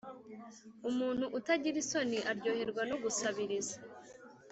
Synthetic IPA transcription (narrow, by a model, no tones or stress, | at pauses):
umuːn̥huʔutaɟiɾiso̞niʔaɾɟoːheɾɡwanoɡusaβiɾiza